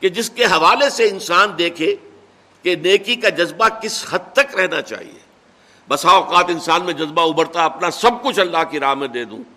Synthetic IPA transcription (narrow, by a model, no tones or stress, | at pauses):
ked͡ʒɪskeɦɐʋaːleseɪnsaːnd̪eːkʰe | keneːkikad͡ʒɐzbakɪshɐd̪̚t̪ɐkɾɛɦnat͡ʃa̰ːɦḭḛː | bɐsãɔːqaːt̪ɪ̃nsaːnmẽd͡ʒɐzbaʊbəɾt̪aɐpnasɐb̚kʊt͡ʃʰɐlːaːɦkiɾaːɦmːẽd̪eːd̪ṵ̃ː